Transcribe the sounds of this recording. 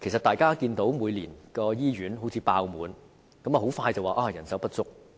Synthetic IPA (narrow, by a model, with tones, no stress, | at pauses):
kʰe˨˩jsɐ˨t̪aː˨jkaː˥kiː˧nt̪o˨˥wmuː˨˧jliː˨˩nkɔː˧jiː˥ɥyː˨˥nɦo˨˧˥wt͡sʰiː˨˧paː˧wmuː˨˧n | kɐ˨˥maː˨˩ɦo˨˥wfaː˧jt͡sɐ˨˩waː˨˩ʔaː˧jɐ˨˩nsɐ˨˥wpɐ˥t̚t͡sʊ˥k̚